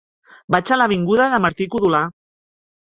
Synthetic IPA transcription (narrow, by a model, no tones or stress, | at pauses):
bat͡ʃalaβ̞iŋɡuðaðəmaɾt̪ikuðula